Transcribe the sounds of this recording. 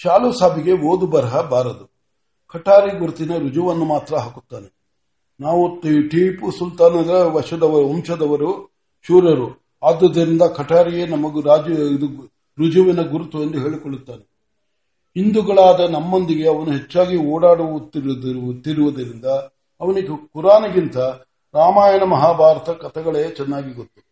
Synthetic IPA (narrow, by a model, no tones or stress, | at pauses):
t͡ʃaːlusaːbiɡe̞oːd̪ubɐɾɦɐbaːɾɐd̪u | kʰɐʈaːɾiɡuɾut̪inɐɾud͡ʒuʋɐnːumaːt̪ɾɐɦaːku̥t̪ːaːne | naːʋutʈiːpusult̪aːnɐd̪ɐʋɐʂɐd̪ɐʋɐɾuɔmʃɐd̪ɐʋɐɾu | ʃuːɾɐɾu | aːd̪ːɐd̪ːɐɾind̪ɐkʰɐʈaːɾijeːnɐmɐɡuɾaːd͡ʒud̪u | ɾud͡ʒuʋinɐɡuɾut̪uɐnd̪uɦe̞ːɭikoɭːut̪ːaːne | ɦind̪uɡɐɭaːd̪ɐnɐmːond̪iɡe̞ɐʋɐnuɦe̞t͡ʃːaːɡiɔːɽaːɽuʋut̪iɾd̪ɐɾut̪ːiɾuʋɐd̪ɐɾind̪ɐː | ʋɐniɡkuɾaːnɐɡint̪ɐ | ɾaːmaːjɐnɐmɐɦaːbʱaːɾɐt̪ɐkɐt̪ʰɐɡɐɭet͡ʃɛnːaːɡiɡot̪ːu̥